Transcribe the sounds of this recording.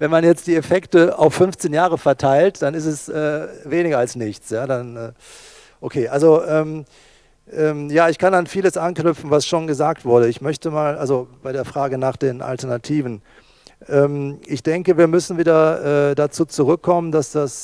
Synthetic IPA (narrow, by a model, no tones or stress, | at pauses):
vɛnmanjɛt͡std̥iːefɛktəaʊfːʏnft͡seːnjaːʁəfɛɐtʰaɪltd̥anɪs̬tɛsʔɛːveːnɪɡɐalsnɪçt͡sjaːdanʔɛː | ʔokʰeːʔalzoʔɛːm | ʔɛːmjaːɪçkʰananfiːləsʔanknʏpp͡fn̩vasʃoːnɡəzaːk̚tv̥ʊɐɾəɪçmœçtəmaːlʔalzobaɪɾeːɐfʁ̥aːɡənaːχd̥eːnʔa̰ltɛɐnatʰiːvn̩ | ʔɛːmʔɪçd̥ɛŋkəviːɐmʏsn̩viːdɐʔɛːdat͡suːt͡suʁʏkʰːɔməndasd̥as